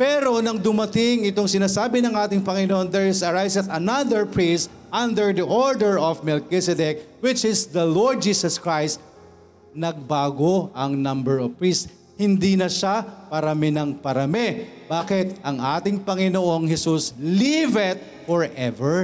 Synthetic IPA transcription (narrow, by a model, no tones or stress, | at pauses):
pɛɾo̞nɐŋd̪ʊmɐt̪ɪŋɪt̪o̞ŋsɪnaːsaːbɪnɐŋʔaːt̪ɪŋpɐŋɪnoʔond̪ɛɹɪsɐɹajsɐt̪ɐnaðɛɹpɹist̪ | ʔɐ̃nd̪ɛɹd̪iʔoɹd̪ɛɹɔvmɛlkɪsɛd̪ɛk̚wɪt͡ʃɪsd̪ɐloɹd̪̚d͡ʒiːsɐskɹajst̪̚ | nɐɡ̚baːɡoʔɐŋnɐ̃mbɛɹɔvpɹis | hɪnd̪inɐʃapɐɾɐmɛnɐŋpɐɾɐmɛb̥aːkɪt̪̚ʔɐŋʔaːt̪ɪŋpɐŋɪnoʔo̞ŋhɛsuslivɪt̪̚ | fɔɹʔɛvɛɹ